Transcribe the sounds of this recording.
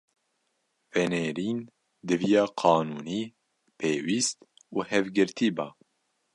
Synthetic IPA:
vɛneːɾiːn | d̪ɨvijɑːqʰɑːnuːniː | pʰeːwiːst̪ | uːhɛvɡɨɾt̪ʰiːbɑː

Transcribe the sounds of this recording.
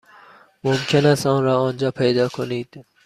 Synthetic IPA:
momkʰenæst̪ɒːnɾɒːɒːnd͡ʒɒːpʰejd̪ɒːkʰoniːd̪̥

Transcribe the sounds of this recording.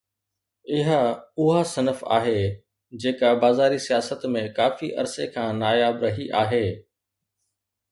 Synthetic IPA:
ɪɦəʊɦasɐnəfa̰ːɦe | d͡ʑeːkabaːzaːɾisijaːsət̪mẽkaːfiʔɐ̰ɾsekʰãːnaːjaːbɾɐɦiʔaːɦeː

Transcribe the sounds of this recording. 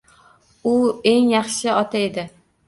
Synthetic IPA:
ʊeŋjɑχʃɪɒt̪ʰae̞d̪ɪ

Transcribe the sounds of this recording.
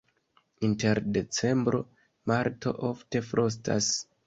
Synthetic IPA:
inte̞ɾde̞t͡se̞mbɾo̞̰ | maɾto̞̰ʔofte̞fɾʔos̬tʰa̰s

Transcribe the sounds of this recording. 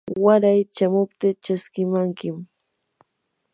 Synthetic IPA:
waɾajt͡ʃamʊpt̪ɪt͡ʃaskɪmaŋkɪm

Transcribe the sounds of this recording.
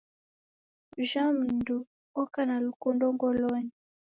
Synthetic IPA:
ʒam̩ndu | ɔkanalukundɔŋɡɔlɔɲi

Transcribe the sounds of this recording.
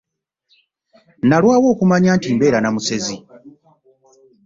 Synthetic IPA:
nalwaːwo̞ːkumaɲaːntiːmbe̞ːɾanamuse̞zi

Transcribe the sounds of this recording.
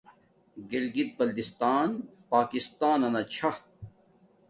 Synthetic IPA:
ɡelɡit̪̚bɐld̪ist̪aːnpaːkist̪aːnɐnɐt͡ɕʰɐ

